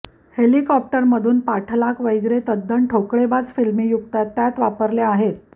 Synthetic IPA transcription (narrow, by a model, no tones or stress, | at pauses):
helikɔp̚ʈəɾməd̪ʱuːnpaʈʰlakʋəjɡɾet̪əd̪ːəɳʈʰokɭebad͡zfilmiːjukt̪at̪ːjat̪ʋapəɾleaɦet̪̚